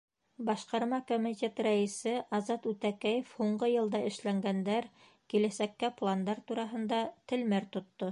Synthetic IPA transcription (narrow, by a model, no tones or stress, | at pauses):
bɑʃqɑɾmɑkomʲitʲe̞t̪ræisɘʔɑzɑt̪ʉt̪ækæjɘfhuɴɢɤjɤ̆lˠd̪ɑʔɘ̆ʃlæŋɡænd̪æɾ | kilæsækːæplˠand̪ɑɾt̪uɾɑɦɤ̆nd̪ɑt̪ɘ̆lmæɾt̪ŏt̪ːo